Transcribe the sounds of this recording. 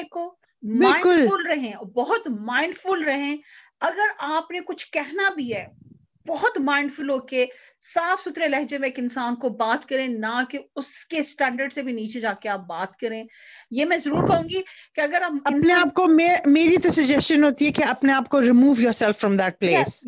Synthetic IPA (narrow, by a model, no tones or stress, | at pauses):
eko | mbɪl̃ːɪ̃kʊlʊlɾɐɦẽɔbɐɦʊt̪mãːɪ̃ɳɖfʊlɾɐɦẽ | ɐɡəɾaːpnekʊt͡ʃʰkɛɦnabʱiɦɛː | bɔɦʊt̪mãːɪ̃ɳɖfʊlɦoːke | saːfsʊt̪ɾelɛɦd͡ʒemẽeːkɪ̃nsaːnkobaːt̪kɐɾẽnakeʊskesʈɛ̃ːɳɖəɾɖsebʱiniːt͡ʃed͡ʒaːkeaːp̚baːt̪kɐɾẽː | jeːmɛ̃ːzɐɾuːɾkɐɦũːŋɡikeɐɡəɾɐmɐɪnneaːp̚komemeːɾit̪osɐd͡ʒɛst͡ʃənɦoːt̪iɦɛkeɐpneaːp̚koɾɪmuːʋjɔːɾsɛlfːɾɔ̃md̪æʈ̚pleːs